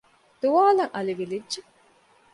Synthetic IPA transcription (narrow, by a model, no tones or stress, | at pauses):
d̪̥uʋaːlɐŋʔɐliʋilidːʒe